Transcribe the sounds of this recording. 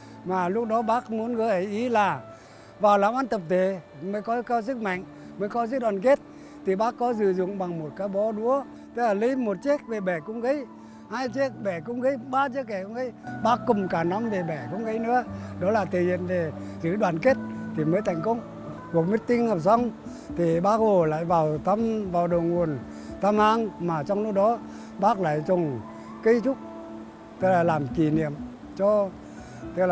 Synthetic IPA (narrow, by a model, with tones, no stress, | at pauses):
maː˨˩lʊ˦˥k̚ɗɔ˨˦ɓaː˦˥k̚mu˨˦ənɣəː˨˦jʔə˨˩jʔi˨˦laː˨˩ | vaː˨˩wlaː˨˩mʔaː˧˦nt̪ə˨˩p̚t̪ʰe˨˩˨ | məː˨˦jkɔ˨˦kaː˧wsɨ˦˥k̚ma̰˧˨jŋ | məː˨˦jkɔ˨˦zɨ̰˧˥ɗwaː˨˩nke˦˥t̚ | t̪ʰi˨˩ɓaː˦˥kːɔ˨˦zɨ̰˧˨zʊ̰˧˨ŋ͡mɓa˨˩ŋmo˨˩t̚kaː˨˦jɓɔ˨˦ɗu˨˦ə | t̪ə˨˦˥laː˨˩li˨˦jmo˨˩t̚t͡ɕi˦˥ək̚ve˨˩ɓɛ˧˩kʊ˧˥wŋ͡mɣə˨˦j | haː˧jt͡ɕi˦˥ək̚ɓɛ˧˩kʊ˧˥wŋ͡mɣə˨˦jɓaː˧t͡ɕi˦˥ək̚ːɛ˧˩kŋ͡mɣə˨˦jɓaː˦˥kːʊ˨˩ŋ͡mkaː˨˩nɔ˨˦mve˨˩ɓɛ˧˩kʊ̰˧˥wŋ͡mɣə˨˦jnɨ̰˧˥əɗɔ˨˦laː˨˩t̪i˨˩hḭ˧˨nve˨˩ | zɨ̰˧˥ɗwaː˨˩˨nke˦˥t̚t̪ʰi˨˩məː˨˦jt̪ʰa˧˩jŋ̟kə˧wŋ͡m | ku˨˩ək̚mi˦˥t̚t̪i˧ŋŋə˨˩p̚sa˧wŋ͡m | t̪ʰi˨˩ɓaː˦˥k̚ho˨˩la̰ː˧˨jvaː˨˩wt̪ʰa˧mvaː˨˩wɗo˨˩ŋu˨˩ən | t̪ʰaː˧mʔaː˧ŋmaː˨˩t͡ɕɔ˧wŋ͡mlu˦˥k̚ɗɔ˨˦ | ɓaː˦˥k̚la̰ː˧˨jt͡ɕʊ˨˩ŋ͡m | ki˨˧˦t͡ɕʊ˦˥k͡p̚ | t̪ɨ˦˥k̚laː˨˩laː˨˩mki˨˩nḭ˧˨əm | t͡ɕɔ˧ | t̪ɨ˦˧˥k̚l